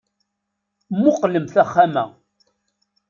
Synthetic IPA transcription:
mːʊqləmθæχːamæ̰

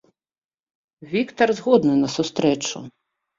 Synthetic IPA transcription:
vʲikt̪ɐrzɣɔd̪nɨnɐsust̪ɾɛt͡ʂṵ

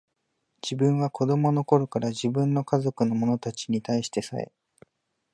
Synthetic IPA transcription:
d͡ʑibɯ̟̃ɰ̃βako̞d̪o̞mo̞no̞ko̞ɾo̞kaɾaʑibɯ̟̃nːo̞kazo̞kɯ̟no̞mo̞no̞t̪at͡ɕi̥ɲ̟it̪aiɕi̥t̪e̞sa̰e̞̰

